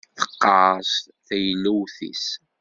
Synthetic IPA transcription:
θə̥qːɑs | θæjəlːæwθḭs

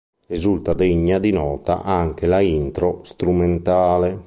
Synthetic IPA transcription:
ɾizult̪ad̪eɲːad̪inɔːt̪a̰ʔaŋk̟elaint̪ɾɔst̪ɾument̪aːle

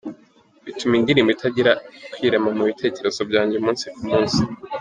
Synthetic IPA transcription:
βitumindiɾiːmbitʰaɟiɾakwiːɾamamuβitʰe̞ːce̞ɾe̞z̥o̞bɟaːɲɟeumuːnsi̥kumuːnsi

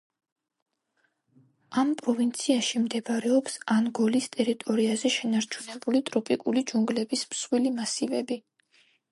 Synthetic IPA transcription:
ampʼɾɔvint̪sʰiaʃimd̪ɛbɾɛɔpsanɡɔlist̪ʼɛɾit̪ʼɔɾiazɛʃɛnaɾt͡ʃʰunɛbulit̪ʼɾɔpʼikʼulid͡ʒuŋɡlɛbismsχwilimasivɛbi

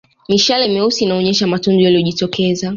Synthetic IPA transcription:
miʃalaimɛusiːnaɔɲɛʃamatundujaliɔʄitɔkɛza

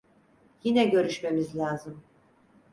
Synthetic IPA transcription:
jinɛɟø̞ɾyʃme̞mizlʲaːzɯm

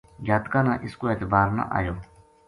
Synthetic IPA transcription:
jaːt̪kaːnaːʔɪskoːeːt̪ɪbaːɾna̰ʔa̰ːjoː

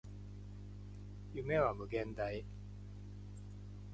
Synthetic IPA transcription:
jɯme̞βamɯ̟ɡẽ̞nd̪ai

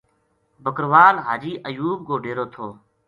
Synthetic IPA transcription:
bəkɾʋaːlɦaːd͡ʒiːʔəjuːb̚ɡoːɖʱeːɾoːt̪ʰoː

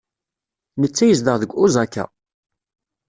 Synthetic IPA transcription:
nət͡sːæjəz̬d̪əʁðəɡʷːuzækːæ̰

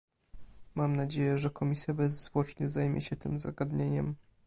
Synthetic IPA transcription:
mamnad͡ʑejɛʐɛkɔmʲisʲjabɛzzvwɔt͡ʂɲɛzajmʲjɛ̰ɕɛt̪ɘmza̰ɡad̪ɲeɲɛm

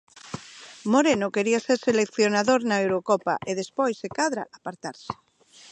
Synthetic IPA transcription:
moɾenokeɾiaseɾselekθjonaðoɾnaewɾokɔpa̰ʔeð̞espojsːekaðɾa̰apaɾt̪aɾse̥

